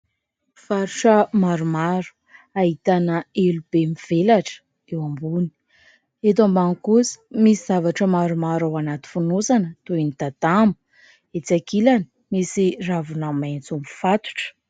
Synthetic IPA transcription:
faɾuʂəmaɾumaɾu̥ | aɦit̪anəelub̥emiv̥elaʈ͡ʂə̥ | ewambuni̥ | et̪̬ambaŋkusə̥misiz̥avaʈ͡ʂəmaɾumaɾawanat̪i̥funosanət̪uinit̪at̪ambu̥ | et͡sakilani̥ | misiravunament͡sumifat̪u̥ʈ͡ʂə̥

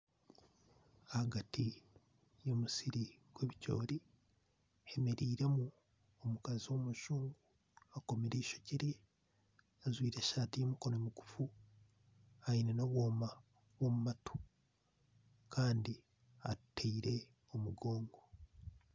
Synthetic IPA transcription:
ahaɡati | jo̞musiɾiɡ̥we̞ːβico̞̰ːɾi | hemeɾiːɾe̞mu | omukaziwo̞muʃuːŋɡu | ako̞meɾeiʃo̞̥ciɾi | azwiːɾeʃaːtijomuko̞nomuku̥fu | ainenoβoːma | βo̞mumato̥ | kaːndi | a̰teiɾe̞ | o̞muɡo̞ːŋɡo̞

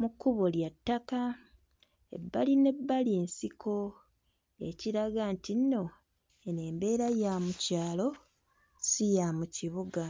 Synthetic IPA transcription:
mukːuβoljatːaka | ḛbːaline̞bːaliensikʰo̞ | e̞ciɾaɡantinno̞ | ene̞ːmbe̞ːɾajamucaːlo̞ | sijamuciβuɡa

